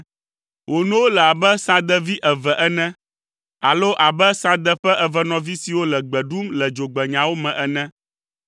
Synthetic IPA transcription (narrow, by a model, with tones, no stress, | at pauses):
wʔo˨nũ˦wo˦lɛ˨a˨bɛ˦sã˦d̪ɛ˦vi˦ʔɛ˨vɛ˨ʔɛ˦nɛ̃˦ | a˨lo˦ʔa˨bɛ˦sã˦d̪ɛ˦ɸɛ˦ʔɛ˨vɛ˦nɔ̃˨vi˦si˨wo˦lɛ˨ɡ͡bɛ˨ɖu˦mlɛ˨d͡ʒo˨ɡ͡bɛ˨ɲã˨wo˦mɛ̃˨ʔɛ˦nɛ̃˦